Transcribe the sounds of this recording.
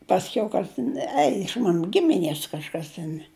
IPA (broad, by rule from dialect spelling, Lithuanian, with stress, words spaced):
pɐsʲˈkʲɛʊ ˈkɐs tʲɪn ˈɛɪ ɪʃ ˈmɑːnʊ ˈɡʲɪmʲɪˈnʲiɛs kɐʃˈkɐs tʲɛn